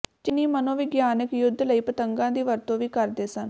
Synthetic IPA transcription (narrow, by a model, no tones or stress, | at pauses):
d͡ʒɪniːmənõːʋɪɡjaːnəkjʊd̪ːləiːpət̪əŋɡãːd̪iːʋəɾt̪õːʋiːkəɾd̪eːsən